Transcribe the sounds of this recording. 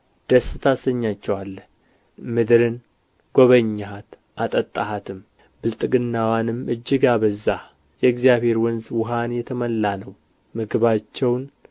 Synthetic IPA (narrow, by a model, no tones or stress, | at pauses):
d̪̥əsːɨt̪ʰasəɲːat͡ʃːɛwalːə | mɨd̪ɾɨn | ɡ̥oβəɲːaɦat̪ | ʔat̪ʼət̪ʼːaɦat̪ʰɨm | bɨlt̪ʼɨɡɨnːawanɨmɨd͡ʒːɪɡabəzːa | jɛɡzijaβhe̞ɾwɔnzwʊɦanjɛt̪ʰəməlːanəw | mɨɡβat͡ʃːɛwn